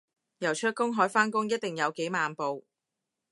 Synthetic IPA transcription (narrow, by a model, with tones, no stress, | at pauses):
jɐ˨˩wt͡ʃʰœː˧˥kːʊ˥ŋɦɔː˨˥jfaː˥nkʊ˥ŋjɐ˥t̚t̪ɪ˨ŋjɐ˨˧wke˨˥jmaː˨˧npo˨w